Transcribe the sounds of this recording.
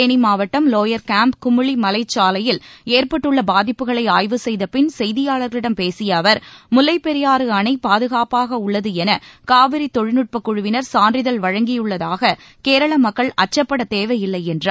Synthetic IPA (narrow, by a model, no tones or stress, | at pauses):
enimaːʋɐʈːɐmloːjɐɾkaːmpkʊmʊɭimɐlɐɪt͡ʃːaːlɐjɪleːɾpɐʈːɯɭːɐbaːðɪpːɯɣɐɭɐɪaːjʋɯsɛjðɐpɪnsɛjðɪjaːɭɐɾɣɐɭɪɽɐmpeːsɪjɐːʋɐɾmʊlɐɪpːɛɾɪjaːɾɯɐnɐɪpaːðɯɣaːpaːɣɐʊɭːɐðɯɛnɐkaːʋɪɾit̪ːɔɻɪnɯʈ̚pɐkːʊɻʊʋɪnɐɾsaːndrɪðɐlʋɐɻɐŋɡɪjɯɭːɐðaːɣɐ | keːɾɐɭɐmɐkːɐɭɐt͡ʃːɐpːɐɽɐt̪eːʋɐjɪlːɐɪɛndrɐ